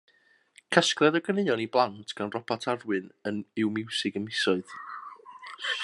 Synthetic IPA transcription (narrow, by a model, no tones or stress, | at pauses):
kʰəskrɛðəɡənejɔniblˠantʰɡ̥anrɔpʰatʰarwɨnənɪwmɪwsɪɡəmɪsɔɨð